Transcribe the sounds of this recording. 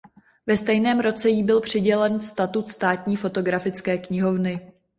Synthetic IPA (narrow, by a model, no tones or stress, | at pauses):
vɛst̪ɛjnɛːmɾo̞t͡sɛjiːbɪlpr̝̥ɪɟɛlɛnst̪at̪ut̪st̪aːt̪ɲiːfo̞t̪o̞ɡɾafɪt͡skɛːkɲɪɦo̞vnɪ